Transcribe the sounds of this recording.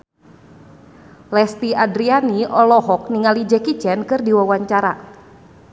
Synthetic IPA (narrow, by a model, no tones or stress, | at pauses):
lɛst̪iadɾianiɔlɔɦɔk̚niŋalid͡ʒɛkit͡ʃɛnkɨrdiwawaɲt͡ʃaɾa